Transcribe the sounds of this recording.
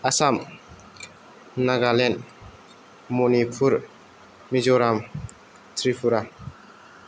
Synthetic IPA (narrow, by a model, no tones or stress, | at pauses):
asam | naɡalɛn | mɔnipʰuɾ | mid͡ʒɔɾam | tʰɾipʰuɾa